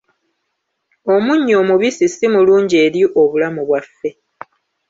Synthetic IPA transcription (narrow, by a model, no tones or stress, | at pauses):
o̞muɲːo̞ːmuβisisimuluːɲɟie̞ːɾjiʔo̞βulamuβwafːe